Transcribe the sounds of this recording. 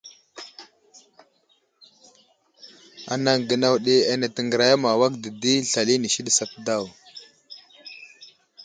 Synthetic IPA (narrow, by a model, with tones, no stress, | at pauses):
a̰˨na˨ŋɡə˨na˨wɗi˨a˨na˨tə˨ŋɡə˨ɾa˨ja˦ma˨wa˦k̚də˨di˦ɬa˨li˦ni˨ʃi˦ɗi˨sa˦pda˦˨w